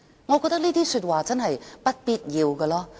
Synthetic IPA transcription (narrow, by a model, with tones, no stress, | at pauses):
ŋɔ˨˧kɔː˧t̪ɐ˥kniː˥t̪iː˥syː˧t̚waː˨˩t͡sɐ˥nɦɐ˨jpɐ˥t̚piː˥t̚jiː˨˧wkɐː˧lɔː˥